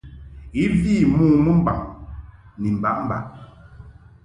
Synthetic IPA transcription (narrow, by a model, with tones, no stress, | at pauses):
i˦viː˦˨muː˦˨mu˦m̩˦ba̰˨ŋ | ni˨m̩˨ba˦ʔm̩˦ba˦ʔ